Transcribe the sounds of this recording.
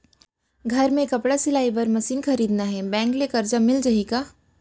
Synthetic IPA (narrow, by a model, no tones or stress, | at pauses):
ɡʱɐɾmẽkɐpɽasɪlaːibɐɾmɐsiːnxʰɐɾiːd̪naɦɛbɛ̃ːŋklekɐɾd͡ʒamɪld͡ʒɐɦika